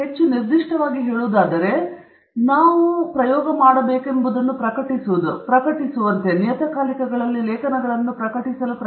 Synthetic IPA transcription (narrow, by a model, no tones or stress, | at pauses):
ɦe̞t͡ʃːuniɾd̪iʂʈɐʋaːɡiɦeːɭuːd̪aːd̪ɐɾe̞ | naːʋupɾɐjɔːɡɐmaːɽɐbe̞ːkembud̪ɐnːupɾɐkɐʈisuʋud̪upɾɐkɐʈisuʋɐnt̪e̞nijɐt̪ɐkaːlikɐɡɐɭɐlːilɛːkɐnɐɡɐɭɐnːupɾɐkɐʈisɐlupɾ